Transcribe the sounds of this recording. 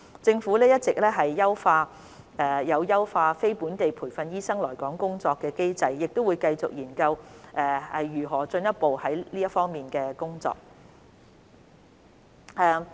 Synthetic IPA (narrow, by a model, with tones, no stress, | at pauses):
t͡sɪ˧ŋfuː˨˥lɛː˥jɐ˥t̚t͡sɪ˨k̚lɛː˥ɦɐ˨jːɐ˥wfaː˧ | ɛ˧jɐ˨˧wjɐ˥wfaː˧fe˥jpuː˨˥nt̪e˨jpʰuː˨˩jfɐ˨˧njiː˥sɐ˥ŋlɔː˨˩jkɔː˨˥ŋkʊ˥ŋt͡sɔː˧kːɛː˧ke˥jt͡sɐ˨jːɪ˨k̚t̪o˥wuː˨˧jkɐ˧jt͡sʊ˨k̚jiː˨˩nkɐ˧wʔɛː˧hɐ˨jjyː˨˩ɦɔː˨˩t͡ʃɵ˧njɐ˥t̚po˨whɐ˨˥jliː˥jɐ˥tfɔː˥ŋmiː˨nkɛː˧kʊ˥ŋt͡sɔ̰ː˧k̚ | ɛː˨˧